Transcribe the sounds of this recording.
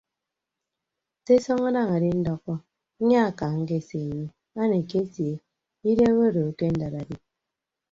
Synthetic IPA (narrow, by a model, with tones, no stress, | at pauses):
te˦sɔ˦ŋa˦da˦ŋa˨di˦n̩˦dɔ˦kːɔ˦ | ɲa˦a˨ka˨ŋ̩˦ke˦˨se˨ɲi˦ | a˦ne˨ke˦tje˨ | i˦de˦we˦˨do˨ke˦n̩˦da˨ɾa˨di˦